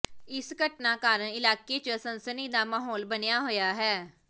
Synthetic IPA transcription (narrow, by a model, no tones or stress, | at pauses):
ɪsɡəʈnaːkaːɾəɳɪlaːkeːt͡ʃsənsəniːd̪aːmaːɦɔːlbənɪjaːɦoːjaːɦɛː